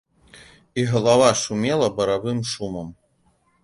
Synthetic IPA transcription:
iɦɐlˠavaʂumʲelˠɐbɐɾavɨmʃumɐm

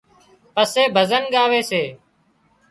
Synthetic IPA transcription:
pəseːbʱəzənɠaːʋeːseː

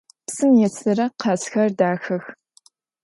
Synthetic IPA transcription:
psɨmjɛt͡sʰɨrɐqʰɑːsxɐrdaːxɐx

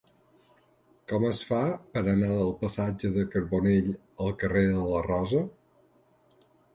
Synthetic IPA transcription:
kɔməsfapəɾənaðəlˠpəsad͡ʒəðəkəɾβoneʎ | əlˠkəreðələrɔzə

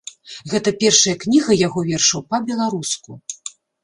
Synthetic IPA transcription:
ɣɛt̪ɐpʲɛrʂɐjɐknʲiɣɐjaɣɔvʲɛrʂɐwpɐbʲɛlˠaɾusku

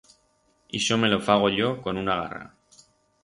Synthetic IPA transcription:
iʃome̞lofaɣ̞o̞ʎoko̞nunaɣ̞a̰ra̰

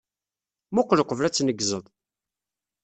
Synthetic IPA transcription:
mʊqːləqːəvlæt͡sːnəɡzəðˤ

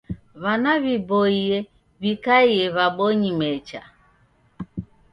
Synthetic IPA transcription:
βanaβibɔiɛ | βikaiɛβaɓɔɲimɛt͡ʃa̰

